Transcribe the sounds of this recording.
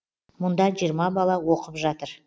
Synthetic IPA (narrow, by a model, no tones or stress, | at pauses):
mʊnd̪ɑʒijəɾmɑbɑlˠɑwo̞qəpʒɑt̪əɾ